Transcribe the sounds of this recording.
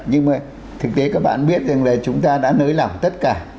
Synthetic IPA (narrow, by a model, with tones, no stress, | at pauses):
ɲɨ˧ŋmaː˨˩ | t̪ʰɨ˨˩k̚t̪e˨˦kaː˦˥k̚ɓa̰ː˧˨nɓi˦˥ət̚za˨˩ŋlaː˨˩t͡ɕʊ˨˦ŋ͡mt̪aː˧ɗa̰ː˧˥nəː˨˦jla˧˩ŋ͡mt̪ə˦˥t̚kaː˧˩